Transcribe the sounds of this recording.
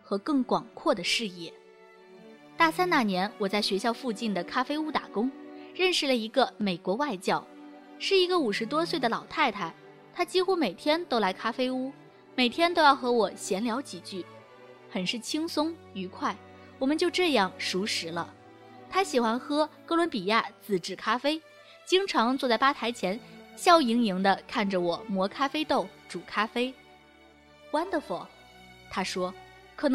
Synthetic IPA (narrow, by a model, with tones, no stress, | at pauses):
xɤ˧˥kɤ˥˩ŋkwɑ˨˩ŋkʰwɔ˥˩d̪ə˩ʂɻ̩˥˧jɛ˥˩ | t̪a˥˩sa˥nna˥˩njɛ˧˥nwɔ˨˩t͡sa˥˩ɪɕɥɛ˧˥ɕjɑ˥˧ʊfu˥˧t͡ɕi˥˩nd̪ə˩kʰa˥fe˥ɪu˥t̪a̰˨˩kʊ˥ŋɻə˥˧nʂɻ̩˥˩lə˩i˧˥ɡə˧me˨˩ɪkwɔ˧˥wa˥˧ɪt͡ɕjɑ˥˩ʊ | ʂɻ̩˥˩i˧˥ɡə˧u˨˩ʂɻ̩˧˥t̪wɔ˥swe˥˩ɪd̪ə˩lɑ˨˩ʊt̪ʰa˥˩ɪt̪ʰa˥ | t̪ʰa˥t͡ɕi˥xu˥me˨˩ɪt̪ʰjɛ˥nt̪o˥ʊla˧˥ɪkʰa˥fe˥ɪu˥ | me˨˩ɪt̪ʰjɛ˥nt̪o˥ʊjɑ˥˩ʊxɤ˧˥wɔ˨˩ɕjɛ˧˥nljɑ˧˥ʊt͡ɕi˨˩t͡ɕy˥˩ | xə˨˩nʂɻ̩˥˩t͡ɕʰi˥ŋsʊ˥ŋ | y˧˥kʰwa˥˩ɪ | wɔ˨˩mə˦nt͡ɕjo˥˧ʊʈ͡ʂɤ˥˧jɑ˥˩ŋʂu˧˥ʂɻ̩˧˥lə̰˧ | t̪ʰa˥ɕi˨˩xwa˥nxɤ˥kɤ˥˧˥lwə˧˥npi˨˩ja˥˩t͡sɹ̩˨˩ʈ͡ʂɻ̩˥˩kʰa˥fe˥ɪ | t͡ɕi˥ŋʈ͡ʂʰɑ˧˥ŋt͡swɔ˥˧t͡sa˥˩ɪpa˥t̪ʰa˧˥ɪt͡ɕʰjɛ˧˥nɕjɑ˥˩ʊi˧˥ŋi˧˥ŋd̪ə˧kʰa˥˩nʈ͡ʂə˩wɔ˨˩mwɔ˧˥kʰa˥fe˥ɪt̪o˥˩ʊʈ͡ʂu˨˩kʰa˥fe˥ɪ | kwa˥nd̪ə˨fɔ˨˩˦ | t̪ʰa˥ʂwɔ˥ | kʰɤ˨˩n˧˥